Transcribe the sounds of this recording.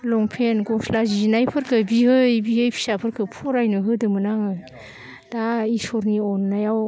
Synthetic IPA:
lɔŋpʰenɡɔslazinajpʰɯɾkʰɯbihɯjbihɯjpʰi̥sapʰɯɾkʰɯpʰɔɾajnɯɦɯdɯmɯnaŋɯ | d̥aisɔɾniɔnːajaw

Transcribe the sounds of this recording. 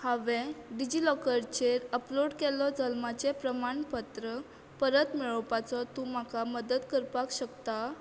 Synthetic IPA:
haʋẽɖid͡ʑilɔkəɾt͡ɕeɾəploɽkelɔd͡zəlmat͡ɕepɾəmaɳpət̪ɾə | pəɾət̪miɭəwpat͡sɔt̪ũm̤akaməd̪ət̪kəɾpakɕəkt̪a

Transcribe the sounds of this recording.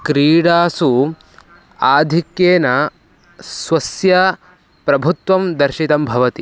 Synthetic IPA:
kɾiːɽaːsu | aːd̪ʱikjeːnɐ | sʋɐsjɐ | pɾɐbʱut̪ʋɐmd̪ɐɾʃit̪ɐmbʱɐʋɐt̪i

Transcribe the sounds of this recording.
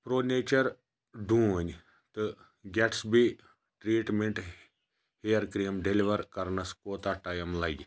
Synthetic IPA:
pɾoːneːt͡ʃɐɾ | ɖũːənʲ | t̪ɨ | ɡɛʈʰsbi | ʈɾiːʈmeɳʈ | heːɐɾkɾijmɖeliʋɐɾkɐɾnɐskoːt̪aʈaːjɐmlaːɡ

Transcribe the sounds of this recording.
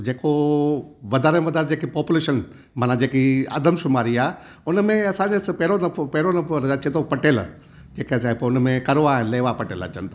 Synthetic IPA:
d͡ʑeːko | ʋɐd̪ʱaːɾeʋɐd̪aːɾẽd͡ʑeːkipɔːpʊleːʃən | maːnãd͡ʑeːkiɐ̰d̪ʱəmʃʊmaːɾiaː | ʊnmẽɐsãd͡ʑespɛɦɾonɐpɛɦɾonɐɾɐat͡ɕʰĩẽt̪ʰopɐʈeːl | d͡ʑeːkesapoʊnmẽkɐɾoaːɦɪnleːʋapɐʈeːlɐ̰t͡ɕə̰nt̪ʰa

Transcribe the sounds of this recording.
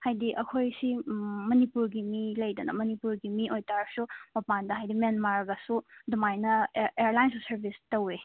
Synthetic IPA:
hajdiʔɐkʰojsimɐnipuɾɡimilɐjdɐnɐ̰mɐnipuɾɡimiʔojtaɾsumɐpandɐɦajdimenmaɾɡasudumajnɐeɾlajnsusɐɾbʱistɐwe

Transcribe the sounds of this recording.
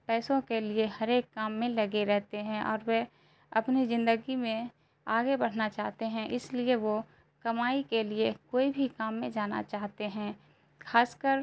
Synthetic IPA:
pɛːsõkelɪeɦɐɾeːkːaːmːẽlɐɡeɾɛɦt̪eɦɛ̃ʔɔ̰ːɾʋe | ɐpnizɪ̃nd̪əɡimẽ | aːɡebɐɽ̤nat͡ʃaːɦt̪eɦɛ̃ʔɪslieʋo | kɐmaːikelɪekoːibʱikaːmːẽd͡ʒaːna̰t͡ʃaːɦt̪eɦɛ̃ː | xʰaːskəɾ

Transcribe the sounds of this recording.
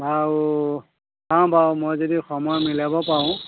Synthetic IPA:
bau | sãbamojzodixɔmɔjɔmilabɔpaɹʊ̃

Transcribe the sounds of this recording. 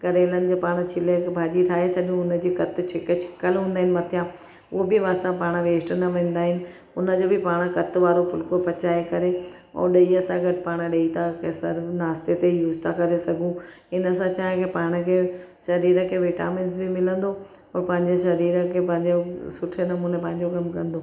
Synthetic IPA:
kɐɾeːlənɪ̆d͡ʑoːpaːɽ̃t͡ɕʰɪlebʱaːd͡ʑiʈʰaːɦesɐɠũʊnəd͡ʑiːkɐt̪t͡ɕʰɪkt͡ɕʰɪ̥kəlɦũːnd̪aːɦɪnɪmɐt̪ʰijãː | ʊɦobɪʋaːsãpaːɽ̃ʋeːsʈnɐʋẽːn̆d̪aːɦɪnɪ̆ | ʊnə̆d͡ʑoːbɪpaːɽ̃kɐt̪ʋaːɾopʰʊlkopɐt͡ɕaːekɐɾeɔ̰ːɾɗɐiɐsãɡɐʈɪpaːɽ̃ɗɐit̪ʰakʰesɐɾnaːst̪et̪ejuːzt̪ʰakɐɾesɐɡʱũ | ɪnəsãt͡ɕaːɦɪ̃kʰeːpaːɽ̃ə̆kʰeː | ʃɐɾiːɾəkʰeːʋɪʈa̰ːmẽːnsbɪmɪlə̃nd̪o | pɾpɐ̃ɦɪ̃ɲd͡ʑeʃɐɾiːɾəkʰeːpɐ̃ɦɪ̃ɲd͡ʑosʊʈʰenɐmũːnepɐ̃ɦɪ̃ɲd͡ʑokɐmkɐ̃nd̪oː

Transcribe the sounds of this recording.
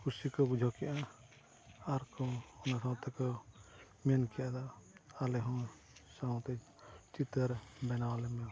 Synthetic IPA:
kʰusikɔbud͡ʒʱɔkɛʔa | aɾkɔɔnasãwt̪ɛkɔ | mɛnkɛjad̪aalɛɦɔ̃ | sãt̪ɛ | t͡ʃit̪əɾbɛnawalɛmɛ

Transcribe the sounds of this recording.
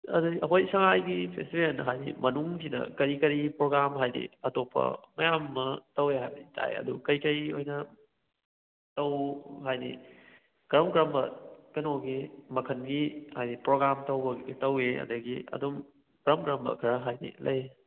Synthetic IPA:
ɐ̰dɐɡiʔɐɦojsɐŋajɡipʰestibenɦajnḭmɐnuŋsʰinɐ̰kɐɾikɐɾipɾoɡɾamɦajdḭɐtopʰɐ̰mɐjamːɐtɐweɦajbɐnitʰa̰ḛɐ̰dukɐjkɐjojnɐ | tɐwɦajnḭ | ɡɾamkɾambɐkɐnoɡimɐkʰɐnɡihajnipɾoɡɾamtɐwbɐɡtɐweɐ̰dɐɡiɐ̰dum | ɡ̥ɾamɡɾambɐ̰kʰɐɾɐɦajnḭlɐj

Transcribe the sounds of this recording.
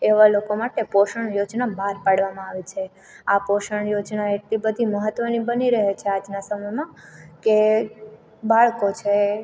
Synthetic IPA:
eʋalokomaʈepoʃəɳjod͡ʒnabʱaɾpaɽʋamãaʋit͡ʃʰe | apoʃəɳjod͡ʒnaeʈlibəd̪ʱiməɦət̪ʋənibəniɾəɦet͡ʃʰead͡ʒnasəməjmãke | baɭkot͡ʃʰe

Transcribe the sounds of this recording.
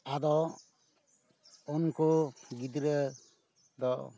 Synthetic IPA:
ad̪ɔ | ɔnkʰoɡid̪ɾɛ | d̪ɔ

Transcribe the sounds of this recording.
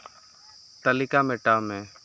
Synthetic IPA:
t̪əlɪkamẽʈaːmẽː

